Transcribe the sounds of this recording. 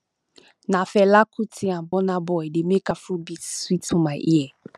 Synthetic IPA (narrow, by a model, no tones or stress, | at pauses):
nãfɛlakʰutʰiãbɔnãbɔɛdemekafʊbiswitʰũmãʔḭɛ